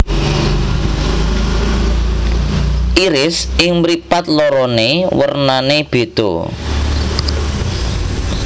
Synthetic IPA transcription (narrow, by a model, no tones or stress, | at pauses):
ʔiɾɪsɪŋmɾipat̪̚lɔɾɔnewərnaneb̥e̤t̪o̰